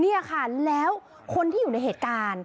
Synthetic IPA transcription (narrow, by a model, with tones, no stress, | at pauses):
ni˥˩ɐkʰa˥˩lɛː˦˥w | kʰo˧nt̪ʰiː˥˩juː˨˩a˧jɦheː˨˩t̪̚kaː˧n